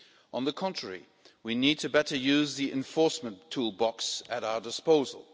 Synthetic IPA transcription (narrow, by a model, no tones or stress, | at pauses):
ʔə̃nðəkʰɑ̃ntɹ̥əɹḭ | winid̚tʰɨbɛɾə˞jʉzðiʔɪ̰̃ɱfɔɹsmə̃ntʰulˠbɑksɨɾaʊə˞dɨspoʊzə̰l̩ˠ